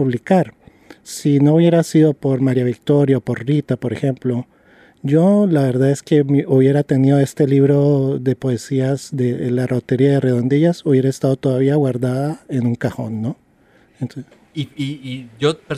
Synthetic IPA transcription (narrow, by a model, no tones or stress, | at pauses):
uβlikaɾ | sino̞uβje̞ɾasiðo̞po̞ɾmaɾjaβik̚t̪o̞ɾjaopo̞ɾrit̪apo̞ɾe̞xe̞mplo̞ | ʝo̞laβe̞ɾðaðe̞ske̞miuβje̞ɾat̪e̞niðo̞e̞st̪e̞liβɾo̞ðe̞po̞e̞siazd̪e̞larʔo̞t̪e̞ɾiaðe̞re̞ðo̞nd̪iʝasuβje̞ɾeest̪að̞o̞t̪o̞ðaβiaɣwaɾðaðae̞nũŋkaxo̞̰nːo̞ | ent̪ | iiiʝope